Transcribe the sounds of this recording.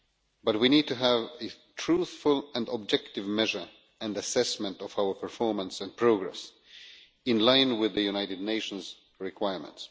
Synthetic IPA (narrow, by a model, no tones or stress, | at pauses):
bʌt̚winid̚tɨɦævɨ | tʰɹ̥uθfʊlˠɨ̃nɔb̚d͡ʒɛktɨvmɛʒə˞ | ɨ̃ndɨsɛsmə̃ntɔvaʊə˞pʰə˞fɔɹmə̃nsɨ̃npʰɹ̥oʊɡɹɛ̰s | ɪ̃nlãɪ̃nwɪðɨjunaɪɾɨdⁿneɪʃn̩z | ɹɪkʰw̥aɪɹmə̰̃nts